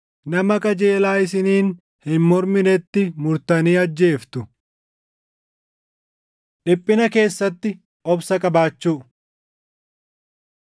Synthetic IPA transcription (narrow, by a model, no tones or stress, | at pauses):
nɐmɐkʼɐd͡ʒeːlaːɪs̬ɪniːn | hɪnmɔɾmɪnɛt̪ːɪmʊɾt̪ɐniːɐd͡ʒːe̞ːft̪ʊ | ᶑɪpʼːɪnɐke̞ːsːɐt̪ːɪ | ɔbsɐkʼɐbaːt͡ʃːuː